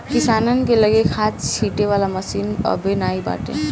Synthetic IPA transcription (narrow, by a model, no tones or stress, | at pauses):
kisanənkeləɡekʰat͡ʃʰiʈeβalaməsinʌ̰benaiba̰ʈḛ